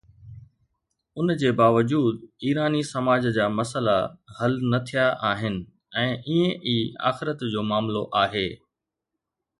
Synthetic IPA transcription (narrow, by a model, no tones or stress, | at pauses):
ʊnd͡ʑeːbaːʋəd͡ʑuːd̪iːɾaːnisɐmaːd͡ʑd͡ʑaːmɐsəla̰hɐlnɐt̪ʰijaʔaːɦɪnɪ̆ | ɛ̃ːʔiẽʔiːa̰ːxɪɾət̪d͡ʑoːmaːmloʔaːɦeː